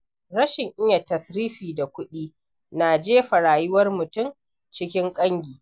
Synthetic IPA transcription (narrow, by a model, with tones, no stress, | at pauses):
ɾɐ˦ʃɪ˨ŋʔɪ˦ɲa˨tɐ˨sɾiː˦ɸiː˨da˨kʷʊ˦ɗiː˦ | naː˨d͡ʒeː˦ɸɐ˨ɾaː˨jʊ˦wɐ˦rmʊ˨tʊ˦˨m | t͡ʃɪ˦kʲɪ˦ŋkʼɐ˦ŋɡʲiː˨